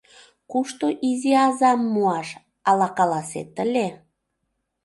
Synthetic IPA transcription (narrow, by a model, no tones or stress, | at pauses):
kuʃt̪oʔiziɑzɑmːuɑʃ | ɑlɑkɑlɑsḛt̪əlʲe